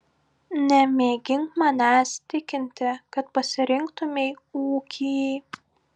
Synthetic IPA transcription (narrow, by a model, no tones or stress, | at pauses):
nʲɛmʲeːɡʲɪŋkmɐnʲæːst̪ʲɪkʲɪnʲt̪ʲɪkɐt̪pɐsʲɪɾʲɪŋkt̪ʊmʲɛːuːkʲʰiː